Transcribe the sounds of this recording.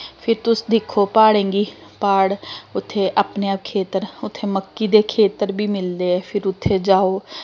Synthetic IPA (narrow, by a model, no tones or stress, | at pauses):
pʰɪɾt̪ʊsd̪ɪkʰːoːpaːɽẽːŋɡiːpaːɽʊt̪ʰːeːʔaːpneːap̚kʰeːt̪əɾʊt̪ʰːeːməkːiːd̪eːkʰeːt̪əɾbʱiːmɪld̪eːɛːpʰɪɾʊt̪ʰːeːd͡ʒaːoː